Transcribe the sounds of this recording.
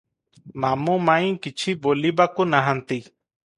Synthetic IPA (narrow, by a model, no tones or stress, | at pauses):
mamũmaĩkit͡ʃʰibolibakunaɦant̪i